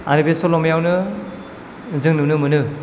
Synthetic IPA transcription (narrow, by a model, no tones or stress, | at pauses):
a̰ɾibesolɔmjawnɯ | zɯŋnɯnɯmɯnɯ